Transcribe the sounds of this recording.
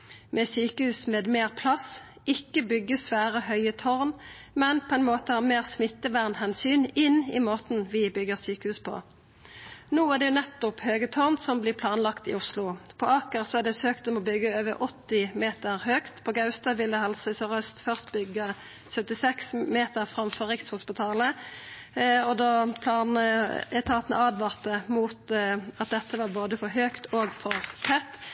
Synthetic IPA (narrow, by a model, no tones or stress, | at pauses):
mʔɛsyːkəhʉːsmeːd̪meːʁpʰlɑs | ɪkːəbʏɡːəsʋæːʁəhœʏət̪ʰɔʁn | mɛnpʰɔɛɪnmoːt̪əhɑːmeːʁsmɪt̪ːəʋæʁnhɛnsyːnɪnɪ̰moːt̪nʋɪbʏɡːəʁsyːkəhʉːspʰɔ̰ | noːæʁd̪ɛjʊnɛt̪ːʊphøːɡət̪ʰɔʁnsɔmblɪːpʰlɑːnlɑkt̪ɪ̰ʊslʊpʰɔʔɑːkəʁsɔæd̪ɛsøːkt̪ɔmɔbʏɡːəøːʋəʁʔɔt̪ːɪmeːt̪əʁhøːkt̪pʰɔɡɑʉst̪ɑʋɪlːəhɑlsəsɔʁœst̪fœʁst̪bʏɡːə | sœt̪ɪsɛksmeːt̪əʁfʁɑmfɔʁɪkshʊspɪt̪ʰɑːlə | ɔd̪ɑːpʰlɑːnəɛt̪ʰɑːt̪ənə̰ɑːd̪ʋɑːʁt̪əmuːt̪ɑt̪̚d̪ɛt̪ːəʋɑːboːd̪əfɔɾɦøːkt̪ʰoːɡfɔʁfʰɛt̪ː